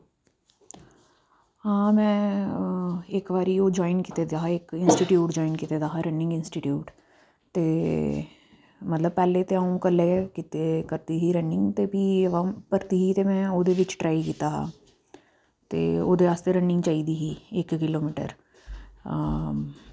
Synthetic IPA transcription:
ɦãːmɛ̃ | eːkbaːɾioːd͡ʒɔːinkit̪ed̪aɦaeːkɪnsʈiʈjuːʈd͡ʒɔːɪnkit̪ed̪aːɦaɾəɳɖɪ̃ŋɡɪnsʈiʈjuːʈ | t̪eː | mɐt̪ləb̚pɛːlet̪eaũkɐlekit̪ekəɾt̪iɦiɾəɳɪ̃ŋɡt̪ebiʋãːmpəɾt̪iɦit̪emɛ̃ːoːd̪eʋɪt͡ʃʈɾaːikiːt̪aɦa̰ | t̪ḛo̰ːd̪eɾaːst̪eɾə̃ɳɖɪ̃ŋɡt͡ʃaːiːd̪iɦieːkːɪloːmɪʈə̰ɾ

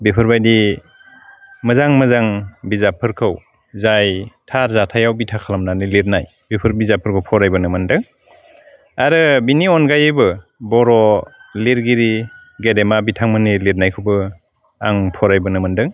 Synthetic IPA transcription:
bipʰɯɾbajdi | mɯzaŋmɯzaŋbizapʰɯɾkʰɯw | zajtʰaɾzatʰajawbitʰakʰalamnaniliɾnaj | bipʰɯɾbizapʰɯɾkʰɯwpʰɔɾajbɯnɯmɯndɯŋ | aɾɯbiniɔnɡajɯbɯbɔɾɔliɾɡiɾiɡedemabitʰaŋmɯniliɾnajkʰɯbɯ | a̰ŋpʰɔɾajbɯnɯmɯndɯŋ

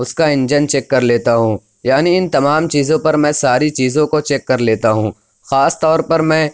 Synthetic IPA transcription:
ʊskaɪ̃nd͡ʒənt͡ʃɛːkːɐɾleːt̪aɦũː | jaːniɪnt̪ɐmaːmt͡ʃiːzõpɐɾmɛ̃saːɾit͡ʃiːzõkot͡ʃɛːkːɐɾleːt̪aɦũː | xaːst̪ɔːɾpɐɾmɛ̃ː

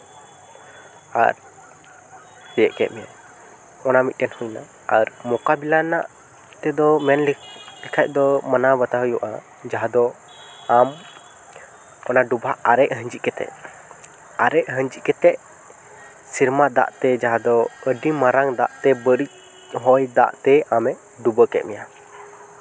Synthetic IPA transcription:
a̰ɾ | hɛjəʔkɛ̰ʔ̪̚mɛja | ɔnamit̪̚ˀʈɛnhɔjna | aɾmɔkabilanaʔ | t̪ɛd̪ɔmɛnllikʰac̚ˀd̪ɔmanabət̪aɦjuʔa | d͡ʒaɦad̪ɔ | am | ɔnaɖubaʔaɾɛʔ̚ɦəɲd͡ʒit̪ʔ̚kɛt̪ɛ̰ʔ | aɾɛʔ̚ɦəɲd͡ʒic̚kɛt̪ɛʔ̚ | siɾmad̪a̰ʔt̪ɛd͡ʒaɦad̪ɔəɖimaɾaŋd̪a̰ʔt̪ɛbəɾic̚ | ɦɔjd̪a̰ʔt̪ɛamɛʔ | ɖubəkɛ̰t̪̚mɛja

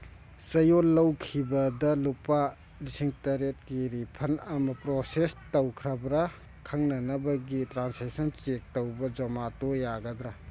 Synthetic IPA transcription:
sɐjolːɐwkʰibɐdɐlupa | lisiŋtɐɾet̚kiɾipʰɐnɐmɐpɾosestɐwkʰɾɐbɾɐ | kʰɐŋnɐnɐbɐɡitɾansesɐnt͡ʃek̚tɐwbɐd͡ʒɐmatojaɡɐd̪ɾɐ

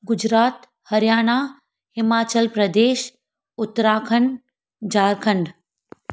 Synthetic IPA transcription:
ɡʊd͡ʑɾaːt̪ | hɐɾjaːñaː | hɪmaːt͡ɕəlpɾɐd̪eːʃ | ʊt̪ːɾaːkʰəɳ | d͡ʑaːɾkʰə̃ɳɖ

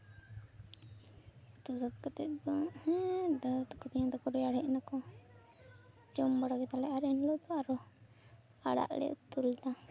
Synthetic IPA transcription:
t̪usat̪̚kat̪ɛd̪ɔhɛd̪at̪kɔt̪iɲãd̪ɔkɔɾɛaɽɛʔnakɔ | d͡ʒɔmbaɽaɡɛt̪alɛaɾɛnlɔt̪ɔaɾɔ | aɽa̰ʔlɛ̰ʔṵt̪uld̪a

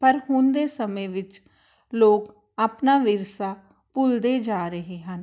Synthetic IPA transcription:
pəɾɦʊnd̪eːsəmẽːʋɪt͡ʃ | loːk | aːpnaːʋɪɾsaː | pʊld̪eːd͡ʒaːɾəɦeːɦən

